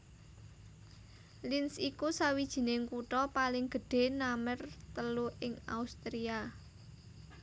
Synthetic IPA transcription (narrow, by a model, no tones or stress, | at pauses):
linsikusawid̥ʒ̥i̤neŋkuʈɔpalɪŋɡ̥ə̤ɖ̥e̤namərt̪əluʔɪŋa̰ust̪ɾia